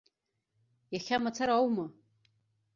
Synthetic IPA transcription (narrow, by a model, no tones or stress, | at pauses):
jaχʲamat͡sʰaɾaawma